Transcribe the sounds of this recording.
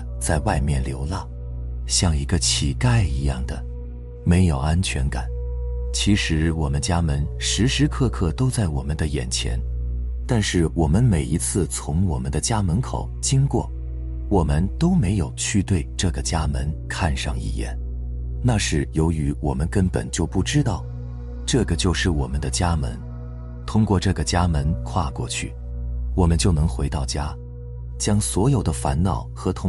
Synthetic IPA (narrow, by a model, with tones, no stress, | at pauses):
t͡sa˥˧ɪwa˥˧ɪmjɛ˥˩nljo˧˥ʊla˥˩ | ɕjɑ˥˩ŋi˧˥ɡə˧t͡ɕʰi˨˩ka˥˩ɪi˧˥jɑ˥˩ŋd̪ə˩ | me˧˥ɪjo˨˩ʊa˥nt͡ɕʰɥɛ˧˥nka˨˩˦nt͡ɕʰi˧˥ʂɻ̩˧˥wɔ˨˩mə˦nt͡ɕja˥mə˧˥nʂɻ̩˧˥ʂɻ̩˧˥kʰɤ˥˧kʰɤ˥˩t̪o˥ʊt͡sa˥˩ɪwɔ˨˩mə˦nd̪ə˧jɛ̰˨˩nt͡ɕʰjɛ̰˧˥n | t̪a˥˧nʂɻ̩˥˩wɔ˨˩mə˦nme˨˩ɪi˧˥t͡sʰɹ̩˥˩t͡sʰʊ˧˥ŋwɔ˨˩mə˦nd̪ə˧t͡ɕja˥mə˧˥nkʰo̰˨˩˦ʊt͡ɕi˥ŋkwɔ̰˥˩ | wɔ˨˩mə˧nt̪o˥ʊme˧˥ɪjo˨˩ʊt͡ɕʰy˥˧t̪we˥˧ɪʈ͡ʂɤ˥˩ɡə˩t͡ɕja˥mə˧˥nkʰa˥˧nʂɑ̰˥˧˩ŋḭ˥˩jɛ̰˥˩n | na˥˧ʂɻ̩˥˩jo˧˥ʊy˧˥wɔ˨˩mə˦nkə˥npə̰˨˩nt͡ɕjo˥˧ʊpu˥˩ʈ͡ʂɻ̩˥t̪ɑ˥˩ʊ | ʈ͡ʂɤ˥˩ɡə˩t͡ɕjo˥˧ʊʂɻ̩˥˩wɔ˨˩mə˦nd̪ə˧t͡ɕja˥mə̰˧˥n | t̪ʰʊ˥ŋkwɔ˥˧ʈ͡ʂɤ˥˩ɡə˩t͡ɕja˥mə˧˥nkʰwa˥˧kwɔ˥˧t͡ɕʰy̰˥˩ | wɔ˨˩mə˦nt͡ɕjo˥˩ʊnɤ˧˥ŋxwe˧˥ɪt̪ɑ˥˩ʊt͡ɕja˥ | t͡ɕjɑ˥ŋswɔ˧˥jo˨˩ʊd̪ə˦fa̰˧˥nnɑ˨˩˦ʊxɤ˧˥t̪ʰʊ˧˥